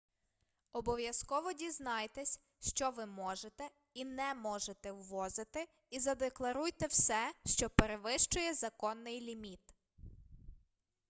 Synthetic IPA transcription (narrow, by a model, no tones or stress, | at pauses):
ɔbɔʋjɐskɔʋɔdʲiznɑjt̪ɛsʲ | ʃt͡ʃɔʋɪmɔʒet̪ɛ | inɛmɔʒet̪ɛwːɔzɪt̪ɪ | izɐd̪eklˠɐɾujt̪ɛwsɛʃt͡ʃɔpeɾeʋɪʃt͡ʃʊjɛzɐkɔnːɪjlʲimʲit̪